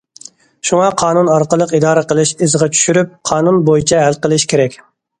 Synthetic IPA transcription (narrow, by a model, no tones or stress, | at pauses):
ʃuŋɑqʰɑːnunɑɾqəlˠəqid̪ɑːɾɨqəlˠɪʃɪzʁɑt͡ʃʰy̥ʃyɾyp̚qʰɑːnunbojit͡ʃʰɛɦælqəlˠɪʃkʲʰeɾɛkʲ